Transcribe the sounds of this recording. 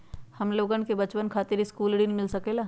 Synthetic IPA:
hɐmloːɡənkebɐt͡ʃpənkʰaːt̪ɪɾiskuːlɽɪnmɪlsɐkeːlaː

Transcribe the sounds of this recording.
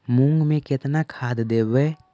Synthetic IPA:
mʊ̃ŋɡmẽkɪt̪nakʰaːd̪d̪eːbeː

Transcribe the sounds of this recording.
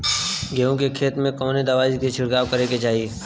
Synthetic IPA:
ɡeːõkekʰeːt̪mẽkɔːned̪ɐʋaːziket͡ʃʰɪɽɡaːʋkɐɾeket͡ʃaːɦie

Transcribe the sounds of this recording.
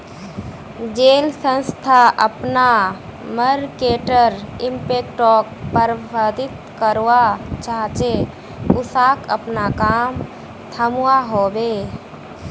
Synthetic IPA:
d͡ʒeːlsə̃nst̪ʰaʔəpnaməɾkeːʈəɾɪ̃mpeːk̚ʈɔːk̚pəɾbəd̪ɪt̪kəɾwat͡ʃaːt͡ʃe | ʊsaːkəpnakaːm | t̪ʰəmuwaɦoːbeː

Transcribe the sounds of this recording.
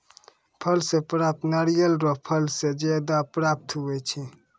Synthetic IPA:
pʰəlsepɾap̚t̪naɾijəlɾɔpʰəlsed͡ʒad̪apɾap̚t̪ɦubɛt͡ʃʰi

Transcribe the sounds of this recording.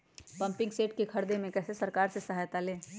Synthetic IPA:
pɐ̃mpɪ̃ŋɡseːʈ̚kekʰɐɾd̪emẽkɛːsesɐɾkaːɾsesɐɦaːjt̪alẽː

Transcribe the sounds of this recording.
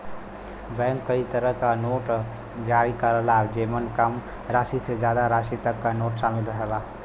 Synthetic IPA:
bɛ̃ːŋkːəit̪əɾəɦkanoːʈ | d͡ʒaːɽikaɾəlabd͡ʒeːmənkəm | ɾaːʃised͡ʒjaːd̪aɾaːʃit̪əkːanoːʈʃaːmɪlɾəɦəbaː

